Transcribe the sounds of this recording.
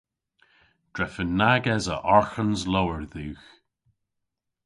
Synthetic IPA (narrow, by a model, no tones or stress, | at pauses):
d̥ɹɛfənːaɡɛzəʔɔɹxənzlowəɹðʉːx